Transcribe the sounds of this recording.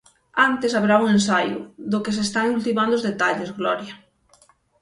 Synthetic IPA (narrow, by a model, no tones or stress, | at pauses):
ant̪esaβɾauŋens̬ajʊ̰ðʊkes̬est̪aŋult̪imand̪ʊzðet̪aʎezɣlɔɾja